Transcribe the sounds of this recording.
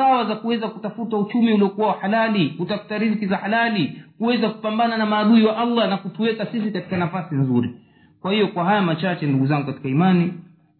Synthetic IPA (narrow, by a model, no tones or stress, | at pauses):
awazakuwɛzakutafutaut͡ʃumiuliɔkuwawaħalalikutafu̥taɾizkizahalalikuwɛzaku̥pambananamaːɗuiwaʔalːanakutuwɛkasisikati̥kanafasinzuɾḭ | kwahijɔkwaɦajamat͡ʃat͡ʃɛnduɠuzaŋɡukati̥kaimani